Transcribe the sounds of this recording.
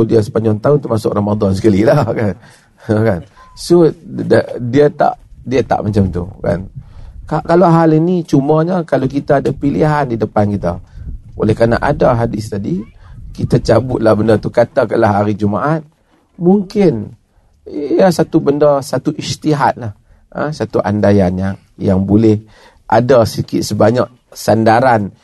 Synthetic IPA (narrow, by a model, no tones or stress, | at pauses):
diasə̥paɲd͡ʒaŋt̪aʊnt̪umasʊk̚ramad̪ɔnsə̥kalilahkan | kan | soddiat̪a̰ʔdiat̪a̰ʔmat͡ʃamt̪ṵka̰nkakalaɦalinit͡ʃumaɲakalawk̬it̪aːdapiliɦandidəpankit̪a̰o̰lɛhkana̰ʔa̰daɦadɪst̪adikit̪at͡ʃabʊt̪̚lahbəndət̪ukat̪akəlaɦaɾid͡ʒumaʔat̪̚ | muŋkɪn | ijahsat̪ubəndərsat̪uʔist̪iɦa̰t̪̚lah | ʔə̰sat̪uʔa̰ndajanjaŋ | jaŋbolɛh | ʔa̰dasikɪt̪̚səbaɲaʔ̚ | sandaɾan